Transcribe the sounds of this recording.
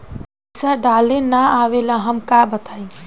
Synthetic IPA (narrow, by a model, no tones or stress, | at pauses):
saɖalenaaʋelaɦəmkabət̪ʰaĩ